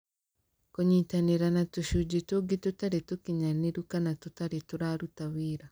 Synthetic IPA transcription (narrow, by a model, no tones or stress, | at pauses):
koɲiːtaneɾanatuʃud͡ʒetoɡitotaɾetokiɲaneɾukanatotaɾetoɾaɾutawiːɾa